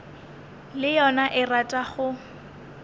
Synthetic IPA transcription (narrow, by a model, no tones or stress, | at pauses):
lɪjɔnaʔɪratʼaχʊ